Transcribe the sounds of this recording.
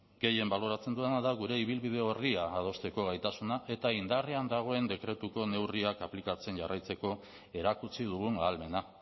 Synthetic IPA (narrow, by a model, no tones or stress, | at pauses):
ɡ̥e̞je̞mbaloɾat͡se̞nd̪ue̞naðaɣuɾe̞iβ̞ilβið̞e̞o̞riaːð̞o̞st̪e̞ko̞ɣajt̪asunaʔe̞t̪aind̪areand̪aɣ̞o̞e̞nd̪e̞kɾe̞t̪uko̞ne̞wriakaplikat͡se̞nʝarʔajt͡se̞ko̞ | e̞ɾakut͡sið̞uɣ̞uŋaːlme̞na